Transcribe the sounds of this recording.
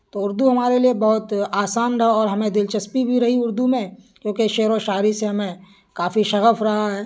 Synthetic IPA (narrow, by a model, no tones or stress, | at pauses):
t̪oʊɾd̪uɦɐmaːɾeliebɐɦʊt̪aːsaːnɾɦɔːɾɦɐmẽd̪ɪlt͡ʃəspibʱiɾɐɦiʊɾd̪umẽkjõːkeʃeːɾoʃaːɾiseɦɐmẽ | kaːfiʃɐɣəfɾɐɦaɦɛː